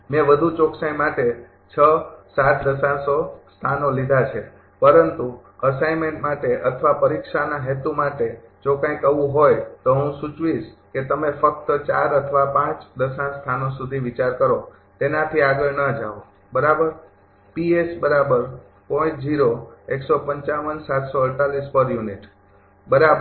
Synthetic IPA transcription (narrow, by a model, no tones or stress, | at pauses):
mẽʋəd̪ʱut͡ʃɔksaĩmaʈe | t͡ʃʰəsat̪d̪əsãnsost̪ʰanolid̪ʱat͡ʃʰe | pəɾənt̪u | əsajmeɳʈmaʈeʔət̪ʰʋapəɾikʃanaɦet̪umaʈed͡ʒokãjkːəʋũɦojt̪oɦũsut͡ʃʋiʃket̪əmefək̚t̪ət͡ʃaɾət̪ʰʋapãt͡ʃd̪əsãst̪ʰanosud̪ʱiʋit͡ʃaɾkəɾo | t̪enãt̪ʰiaɡəɭnəd͡ʒaʋo | bəɾabəɾ | piesbəɾabəɾ | pɔ̃ĩt͡ʃd͡ʒiɾoeksopəɲt͡ʃaʋənsat̪soəɾʈalispəɾjuniʈ | bəɾab